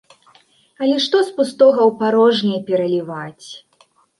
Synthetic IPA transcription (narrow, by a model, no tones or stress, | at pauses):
ɐlʲɛʂt̪ɔspust̪ɔɣɐwpaɾɔʐnʲɛjpʲɛɾɐlʲivat͡sʲ